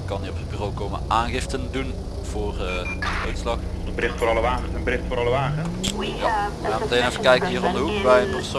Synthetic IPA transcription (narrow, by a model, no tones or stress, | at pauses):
kɑniɔpəd̚byrowkowmə̰ʔaːnɣɪftəndun | v̥ʊːr | dəœɥtslɑxɔnəbərɪxtfʊːɾɑləʋaːɣənsənbəɾɪχtfʊːɾɑləʋaːχənjaʋəxaːnmətejnɛfəkɛjkəɦiːrɔndəɦukbɛjənpərso